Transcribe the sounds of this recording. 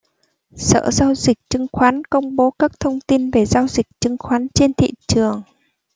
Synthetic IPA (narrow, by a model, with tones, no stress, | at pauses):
sə̰ː˧˩zaː˧wzï˨˩k̚t͡ɕɨ˨˦ŋxwaː˨˦nkə˧wŋ͡mɓo˨˦kaː˦˥k̚t̪ʰə˧wŋ͡mt̪i˧nve˨˩zaː˧wzi˨˩k̚t͡ɕɨ˨˦ŋxwaː˨˦nt͡ɕe˧nt̪ʰḭ˧˨t͡ɕɨ˨˩əŋ